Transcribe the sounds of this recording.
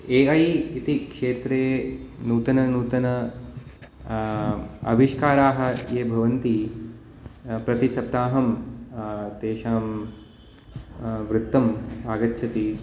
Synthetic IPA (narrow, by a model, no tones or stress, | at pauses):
eːɐjit̪ikʂeːt̪ɾeːnuːt̪ɐnɐnuːt̪ɐnɐ | ɐ̰bʱiʂkaːɾaːɦɐ̆jeːbʱɐʋɐnt̪i | pɾɐt̪isɐp̚t̪aːɦɐm | t̪eːʃaːm | ʋɾɪt̪ːɐmaːɡɐtːʃʰɐt̪i